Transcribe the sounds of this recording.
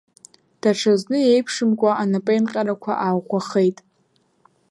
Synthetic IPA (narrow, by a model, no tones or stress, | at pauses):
d̥aʈ͡ʂʰaznɨjejpʰʂɨmkʷʼaʔanapʼejnqʲʼaɾakʷʰa̰ʔawχʷaχejtʼ